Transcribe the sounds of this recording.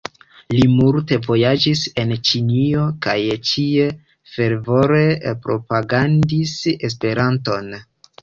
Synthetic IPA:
limulte̞vo̞jad͡ʒise̞nt͡ʃinio̞kajt͡ʃie | fe̞ɾvo̞ɾe̞pɾo̞paɡandises̬pe̞ɾanto̞n

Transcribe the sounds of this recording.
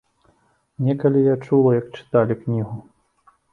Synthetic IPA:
nʲɛkɐlʲijat͡ʂulˠɐjɐk̚t͡ʂɨ̥t̪alʲiknʲiɣu

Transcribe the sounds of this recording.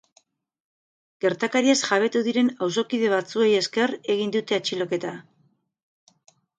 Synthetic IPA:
ɡ̥e̞ɾt̪akaɾiasʝaβ̞e̞t̪uðiɾe̞nawso̞kiðe̞β̞at͡sue̞je̞ske̞re̞ɣ̞ind̪ut̪e̞at͡ʃilo̞ke̞t̪a

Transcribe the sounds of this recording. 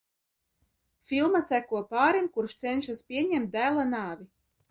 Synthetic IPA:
fʲilˠmasækuɔpaːɾimkuɾʃt̪sɛnʲʃaspʲiɛɲɛmt̪̚d̪æːlˠanaːvʲi

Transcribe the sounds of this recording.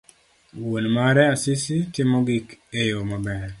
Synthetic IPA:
wonmaɾɛasisitɪmɔɡikejomabɛɾ

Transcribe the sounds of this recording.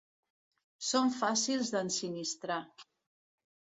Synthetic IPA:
soɱfasilˠzðənsinist̪ɾa

